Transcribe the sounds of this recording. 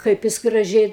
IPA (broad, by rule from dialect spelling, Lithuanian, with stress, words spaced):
ˈkɐɪp jɪs ɡrɐˈʒʲɛɪ